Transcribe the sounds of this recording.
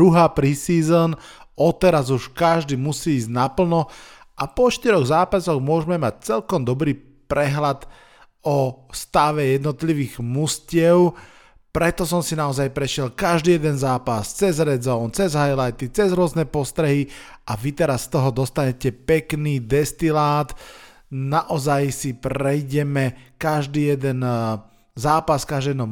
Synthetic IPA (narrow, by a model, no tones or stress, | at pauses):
ɾuɦaːpɾisiːzɔnɔt̪ɛɾazuʃkaʒd̪iːmusiːzɟnapl̩nɔ | ʔapɔʃt̪iɾɔɣzaːpasɔɣmʊɔʒmɛmac̚t͡sɛlkɔmd̪ɔbɾiː | pɾɛɦlad̪ | ɔst̪aʋɛjɛd̪nɔt̪liʋiːɣmuscɪɛʊ | pɾɛt̪ɔs̬ɔmsinaɔzajpɾɛʃɪɛlkaʒd̪iːjɛd̪ɛnzaːpast͡sɛzɾɛzɔnt͡sɛzɦajlajt̪it͡sɛzɾʊɔznɛpɔst̪ɾɛɦiʔaʋit̪ɛɾasːt̪ɔɦɔd̪ɔst̪aɲɛcɛpɛkniːd̪ɛst̪ilaːt̪ | naʔɔzajsipɾɛjɟɛmɛkaʒd̪iːjɛd̪ɛn | zaːpaskaʒd̪ijɛd̪ɔ